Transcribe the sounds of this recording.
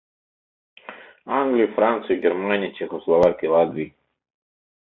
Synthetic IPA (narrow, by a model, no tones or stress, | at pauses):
aŋɡlijufɾant̪suiɡeɾmaːniit͡ʃexoslˠoʋakilad̪ʋi